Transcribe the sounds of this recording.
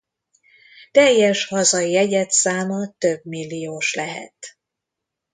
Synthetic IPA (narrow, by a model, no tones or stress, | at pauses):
t̪ɛjːɛʃhɒzɒiɛɟɛt̪saːmɒt̪øbmilːijoːʃlɛɦɛ̰t̪